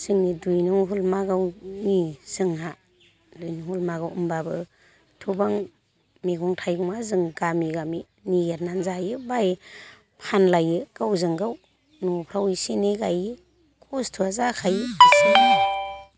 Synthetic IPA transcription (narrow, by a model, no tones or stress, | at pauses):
sɯŋnidujnuɦulmaɡawniz̥ɯŋɦa | dujnuŋhulmaɡawɯmbabɯ | tʰubaŋ | meɡɔŋtʰajɡuŋmazɯŋɡamiɡami | niɡeɾnanzajɯbaj | pʰanlajɯɡ̥awzɯŋɡaw | nupʰɾawiseneɡajɯ | kʰɔstʰuazakʰajɯsɯŋa